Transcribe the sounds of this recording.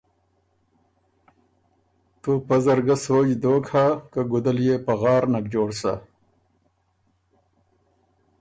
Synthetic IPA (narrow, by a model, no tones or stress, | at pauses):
t̪upɐzɐɾɡɐsoːd͡ʑd̪oːkʰakɐɡud̪ɐljeːpɐɣaːɾnɐk̚d͡ʑoːɽsa̰